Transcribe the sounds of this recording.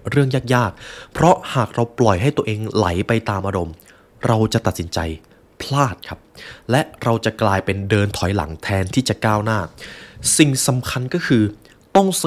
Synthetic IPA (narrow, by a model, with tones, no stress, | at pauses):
ɾɯ˥˩əŋjaː˥˩k̚jaː˥˩k̚pʰɾɔ˦˥haː˨˩k̚ɾa˧wplɔ˨˩jɦa˥˩jt̪u˧əʔeː˧ŋla̰˩˦jpa˧jt̪aː˧mʔa˧ɾo˧m | ɾa˧wt͡ɕa˨˩t̪a˨˩t̪̚si˩˦nt͡ɕa˧j | pʰlaː˥˩t̪̚kʰa˦˥p̚lɛ˦˥ʔɾa˧wt͡ɕa˨˩ʔklaː˧jpe˧ndɤː˧nt̪ʰɔ˩˦jla̰˩˦ŋt̪ʰɛː˧nt̪ʰiː˥˩t͡ɕa˨˩kaː˥˩wnaː˥˩si˨˩ŋsa˩˦mkʰa˧nkɔ˥˩kʰɯː˧ | t̪ɔ˥˩ŋs